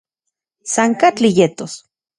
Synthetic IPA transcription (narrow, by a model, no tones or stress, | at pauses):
saŋkat͡ɬijet̪os